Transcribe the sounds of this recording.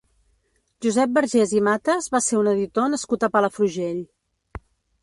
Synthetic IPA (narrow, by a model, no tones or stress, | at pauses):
ʒuzɛp̚bəɾʒezimat̪əzβaseunəðit̪onəskut̪əpaləfɾuʒeʎ